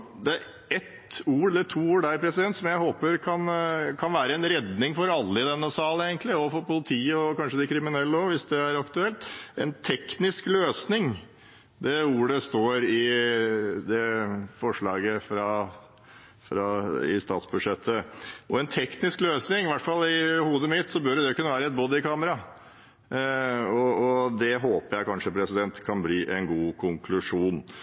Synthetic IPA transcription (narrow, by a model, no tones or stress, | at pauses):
d̪ɛæɾ | ɛt̪uːɾd̪ɛt̪ʰuːuːɖæɾpʰɾɛsɪd̪ɛnt̪sɔmjæɪhoːpəɾkʰɑnkʰɑnʋæːɾəɛnɾɛd̪nɪŋfɔɾɑlːəɪd̪ɛmnɔsɑːləeːɡənt̪lɪɔfɔɾpʊlɪt̪ʰiːəɔkɑnʂəd̪ɛkʰɾɪmɪnɛlːɔʋɪsd̪ɛæɾɑkt̪ʉɛlt̪ɛ̰nt̪ʰɛknɪskløːsnɪŋ | d̪ɛuːɽəst̪oːɾɪ | d̪ɛfɔʂɭɑːɡəfɾɑ | fɾɑɪ̰st̪ɑːt̪sbʉd̪ʂɛt̪ʰːəɔɛnt̪ʰɛknɪskløːsnɪŋʋæʈfɑlːɪhuːd̪əmɪt̪sɔbœɾɛd̪ɛkʰʉnːəʋæːɾəɛt̪̚bod̪ɪkʰɑːməɾɑ | ɔɔd̪ɛɦoːpəɾjæɪkʰɑnʂəpʰɾɛsɪd̪ɛnt̪kʰɑnbliːʔɛnɡuːkʰʊŋkʰlʉʂuːn